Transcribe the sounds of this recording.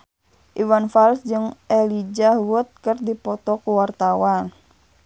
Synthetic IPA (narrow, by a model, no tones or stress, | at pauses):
ʔiwanfalsd͡ʒɨŋʔɛlid͡ʒahwut̪̚kərdipɔt̪ɔkuwart̪awan